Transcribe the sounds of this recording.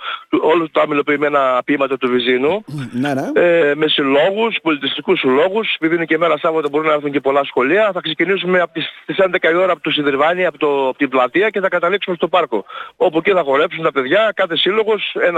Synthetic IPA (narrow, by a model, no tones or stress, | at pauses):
t̪olut̪ɐmilo̞piːme̞nɐpiimɐt̪ɐt̪uvizinu | eme̞silo̞ɣuspo̞lit̪ist̪ikuslo̞ɣusepiðinucemeɾɐsɐvot̪ebo̞ɾunɐeɾθuɲce̞po̞lɐsxo̞liɐθɐkse̞cinisume̞ɐpot̪ist̪isend̪e̞kɐio̞ɾɐːpot̪osinðiɾvɐniɐpot̪opot̪iblɐt̪iɐce̞θɐkɐt̪ɐliksumest̪o̞pɐɾko̞o̞puceθɐɣo̞ɾe̞psunt̪ɐpe̞ðʝɐkɐθesilo̞ɣose̞n